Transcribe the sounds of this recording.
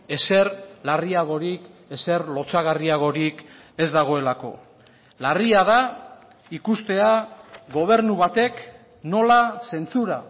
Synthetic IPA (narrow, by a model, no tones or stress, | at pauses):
e̞se̞ɾlariaɣo̞ɾike̞se̞ɾlo̞t͡saɣariaɣ̞o̞ɾik | e̞zd̪aɣ̞o̞e̞lako̞̰ | lariaða | ikust̪e̞aɣo̞β̞e̞ɾnuβat̪e̞k | no̞lase̞nt͡suɾa